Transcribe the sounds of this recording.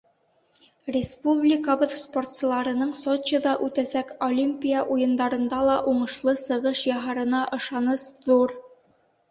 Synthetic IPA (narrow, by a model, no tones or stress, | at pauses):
rʲɪspublʲɪkaβɤðsport̪sɤ̆lˠɑɾɤ̆nɤɴsot͡ɕːə̆ðɑʔʉt̪æsækolʲimʲpʲijaʔujɤ̆nd̪ɑɾɤ̆nd̪ɑlˠɑʔuɴɤ̆ʃlˠɤsɤ̆ʁɤʃjɑɦɑɾɤ̆nɑʔɤ̆ʃɑnɤsðuɾ